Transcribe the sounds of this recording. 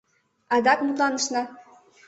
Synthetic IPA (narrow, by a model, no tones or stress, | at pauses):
ɑd̪ɑkmut̪lˠɑnɤ̆ʃnɑ